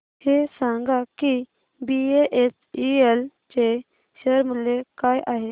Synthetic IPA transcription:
hesãŋɡaki | bieʔesiel | t͡ɕe | ɕəɾmulːekajʔaɦe

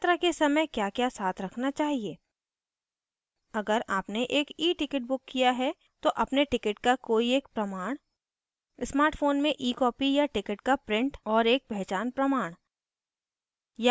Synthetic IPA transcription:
t̪ɾakesɐməjkjaːkjasaːt̪ʰɾɐkʰnat͡ʃaːɦieː | ɐɡəɾaːpneʔeːkiːʈɪkɪʈ̚bʊkːijaɦɛ | t̪oʔɐpneʈɪkɪʈkakoːieːk̚pɾɐmaːɽ̃ | ɪsmaːɾʈfʰoːnmẽʔiːkɔːpijaʈɪkɪʈkapɾɪ̃ɳʈɔːɾeːk̚bɛɦt͡ʃaːnpɾɐmaːɽ̃ | ja

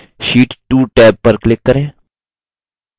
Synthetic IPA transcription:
ʃiːʈʈuːʈɛːp̚ːəɾklɪkːəɾẽː

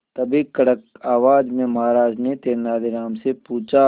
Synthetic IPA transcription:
t̪ɐbʱikɐɽəkaːʋaːd͡ʒmẽmɐɦaɾaːd͡ʒnet̪eːnaːd̪iɾaːmsepuːt͡ʃa

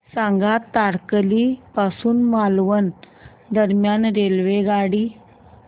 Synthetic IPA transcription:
sãŋɡat̪ːaɾklipasuːnmalʋən | d̪əɾmjanɾelʋeɡaɽiː

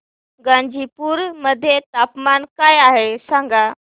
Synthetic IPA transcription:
ɡãɲd͡ʑʱipuːɾməd̪ʱːjet̪apmankajaɦesãŋɡa

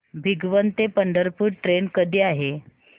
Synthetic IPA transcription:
bʱiɡʋənt̪epəɳɖəɾpuːɽʈɾenkəd̪ʱiːaɦe

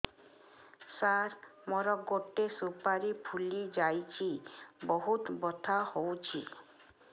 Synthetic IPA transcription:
saɾmɔɾɔɡoʈːesupaɾipʰulid͡ʒajt͡ʃʰibɔɦut̪bɔt̪ʰahowt͡ʃʰi

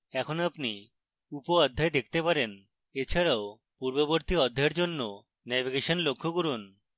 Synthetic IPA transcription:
ɛkʰonoapni | upoɔd̪ʱːaed̪ek̚ʰt̪epaɾen | et͡ɕʰaɾao | puɾboboɾt̪iɔd̪ʱːaeɾd͡ʑonːo | nɛbiɡeʃonlokʰːoɡuɾun

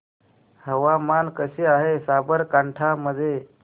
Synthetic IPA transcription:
həʋamankəɕeːaɦesabəɾkaɳʈʰaməd̪ʱːje

